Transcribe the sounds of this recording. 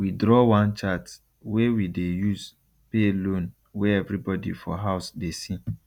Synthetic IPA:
widɾɔwãnt͡ʃat | wewidejuz | pelõn | wɛɛvɾibɔdḭfɔɦaʊsdesi

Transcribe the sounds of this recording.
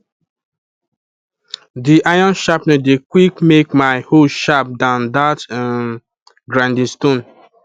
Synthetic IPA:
diʔajɔ̃nʃapnĩdekwikmekmaɪhoʃap̚dãʊ̃ndat | ɡɾãndĩnstõn

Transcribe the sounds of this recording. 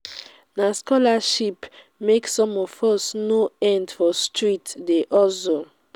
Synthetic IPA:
naskɔlaʃip | meksɔ̃mɔfɔsnoɛ̃ndfɔstʰɹitdeʔɔso

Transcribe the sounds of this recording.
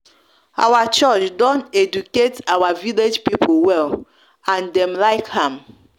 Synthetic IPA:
a̰wat͡ʃɔt͡ʃdɔ̃ntɛd͡ʒuketawaviled͡ʒpipʰowɛl | ãndɛ̃mlaɪkhãm

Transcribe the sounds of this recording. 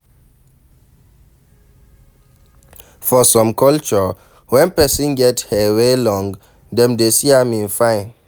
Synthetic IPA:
fɔsɔ̃mkʰɔlt͡ʃɔ | wɛ̃npɛsĩnɡɛthɛwelɔ̃ŋ | dɛ̃mdesiamĩnfãɪ̃n

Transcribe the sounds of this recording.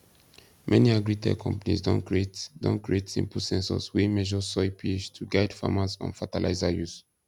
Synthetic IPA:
mʔɛniaɡɹitʰɛ̰kʰɔ̃mpanḭzdɔ̃nkɹietdɔ̰̃nkɹietsḭ̃mpl̩sɛ̃nsɔ̰swimɛʒɔsɔpʰiet͡ʃtʰuɡaɪdfa̰masɔ̰̃nfatalʔa̰ɪzajus

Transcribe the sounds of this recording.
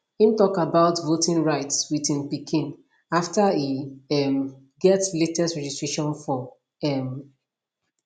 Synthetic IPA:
ĩmtɔkabaʊtvotĩnɹaɪtswiθĩnpikʰĩn | aftaiɛm | ɡɛtletɛstɹɛd͡ʒistɹ̥eʃɔ̃nfɔ | ɛm

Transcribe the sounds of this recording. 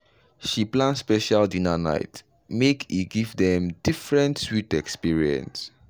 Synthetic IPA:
ʃiplãnspɛʃaldĩnana̰ɪt | mekʰiɡivdɛ̃mdifɹɛ̃ntswitɛkspiɹiɛ̰̃ns

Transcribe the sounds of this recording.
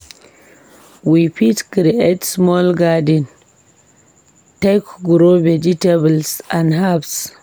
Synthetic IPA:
wipitkɾiʔetsmɔlɡadin | tɛkɡuɾoved͡ʒitebəlsanɦabs

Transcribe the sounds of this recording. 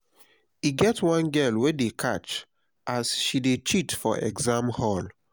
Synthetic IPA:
iɡɛtwãnɡɛlwedekʰat͡ʃ | ʔasʃidet͡ʃitfɔ̰ʔɛ̰ɡzãmhɔl

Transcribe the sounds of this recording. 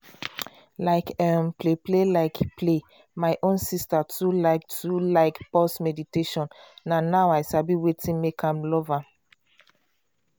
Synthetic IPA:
laɪkɛmpleplelaɪkpʰle | maɪʔõnsistatʰulaɪk̚tʰulaɪkpɔsmɛditeʃɔ̃nːanaʊaɪsabiwetʰĩnmekʰãmlɔva

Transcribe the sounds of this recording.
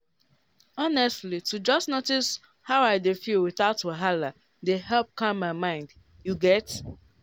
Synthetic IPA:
ɔnɛstlitud͡ʒʌstnotis | haʊaɪdefilwɪθaʊtoɦala | deɦɛlp̚kãmmːaɪmãɪ̃nd | juɡɛt

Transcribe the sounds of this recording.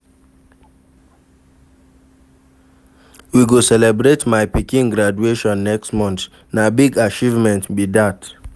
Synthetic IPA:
wiɡosɛlɛbɹetmaɪpikĩnɡɾad͡ʒueʃɔ̃nːɛkstmɔ̃nt | nabiɡat͡ʃivmɛ̃ntbidat

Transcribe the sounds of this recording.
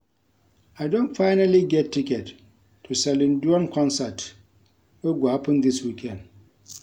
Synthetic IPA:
aɪdõntfaɪnaliɡɛtːikɛtːʰ | usɛlĩnduɔ̃nkʰɔ̃nsat | wɛɡwapĩnd̪iswikʰɛ̃nd

